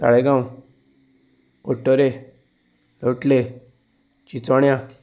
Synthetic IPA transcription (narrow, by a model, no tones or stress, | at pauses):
t̪a̰ɭeɡãũ | oʈːɔɾe | loʈle | t͡ʃit͡sɔɽjã